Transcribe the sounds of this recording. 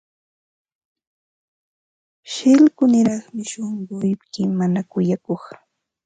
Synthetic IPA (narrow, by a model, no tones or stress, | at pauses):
ʃɪlkʊnɪɾɑχmɪʃoɴɢʊjpkɪmanakʊjakoχ